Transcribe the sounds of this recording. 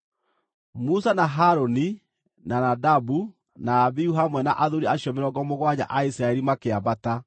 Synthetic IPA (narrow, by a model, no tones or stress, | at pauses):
musanaɦaɾoni | nanadabu | naːβiuɦamwɛna̰ʔaðoɾiaɕjɔmeɾɔɡɔmoɣwaɲa̰ʔaisɾaɛɾimakeabata